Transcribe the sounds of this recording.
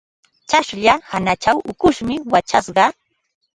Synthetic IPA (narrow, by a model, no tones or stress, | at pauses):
t͡ʃaʃʎahanat͡ʃawʔʊkʊʃmɪwat͡ʃasɢɑ